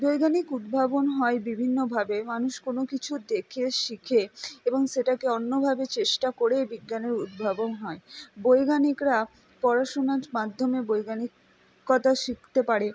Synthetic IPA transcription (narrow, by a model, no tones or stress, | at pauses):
bojɡanikud̪̚bʱabonɦɔebibʱinːobʱabemanuʃkonokit͡ɕʰud̪ekʰeʃikʰeeboŋʃeʈakeonːobʱabet͡ɕeʃʈakoɽebiɡːaneɾud̪̚bʱabonɦɔebojɡanikɾa | pɔɾaʃonaɾmad̪ʱːomebojɡanikː | ɔt̪aʃik̚ʰt̪epaɾe